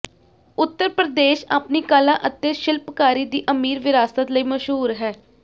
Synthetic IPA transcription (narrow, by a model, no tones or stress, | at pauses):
ʊt̪ːəɾpɾəd̪eːʃaːpniːkaːlãːʔət̪ːeːʃɪlpkaːɾiːd̪iːʔəmiːɾʋɪɾaːsət̪ləiːməʃɦuːɾɦɛː